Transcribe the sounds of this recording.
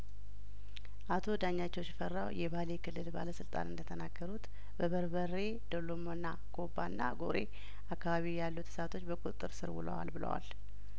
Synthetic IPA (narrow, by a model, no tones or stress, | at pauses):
ʔat̪ʰo̞d̪aɲːat͡ʃːɛwsɪfərːawjɛβale̞kʰɨlːɨlba̰ləsɨlt̪ʼa̰nɨnd̪ət̪ʰənaɡːəɾut̪ | bəβəɾbəre̞d̪olomonːa | ko̞bːanːa̰ɡoɾe̞̰ | akːaβaβijalːut̪sat̪ʰo̞t͡ʃːbəkʼut̪ʼɨt̪ʼːɨɾsɨɾwʊ̰lə̰wa̰lbɨlə̰wa̰l